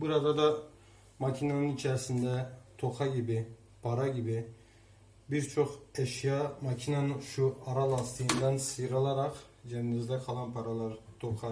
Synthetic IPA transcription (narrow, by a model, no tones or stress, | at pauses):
bɯɾɑd̪ɑd̪ɑ | mɑkʲʰinanɯnit͡ʃʰæɾsind̪ɛt̪ʰoqʰɑɡʲibɪ | pʰɑɾɑɡʲibi | biɾt͡ʃʰoqeʃjɑmɑkʲʰinɑnɯʃuɑɾɑlˠɑst̪ʰɯjɯnd̪ɑnsɯjɾɑlˠɑɾɑq | d͡ʒɛnːizd̪ɛqʰɑlˠɑnpʰɑɾɑlˠɑɾt̪ʰoqʰɑ